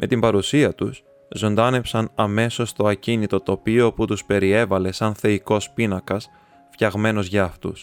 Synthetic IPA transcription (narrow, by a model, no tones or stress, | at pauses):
mʔe̞t̪imbɐɾusiɐt̪us | zo̞nd̪ɐne̞psɐnɐme̞so̞st̪o̞ɐcinit̪o̞t̪o̞pioput̪uspe̞ɾie̞vɐle̞sɐnθe̞iko̞spinɐkɐs | fçɐɣme̞no̞zʝɐːft̪ṵs